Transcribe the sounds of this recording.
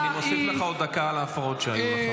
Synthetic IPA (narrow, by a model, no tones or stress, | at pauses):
nimosifleχao̞d̪ːakaalaːfaʁot̪ʃeajuma